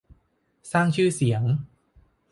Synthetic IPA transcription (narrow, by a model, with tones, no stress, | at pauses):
saː˥˩ŋt͡ɕʰɯː˥˩si˩˦əŋ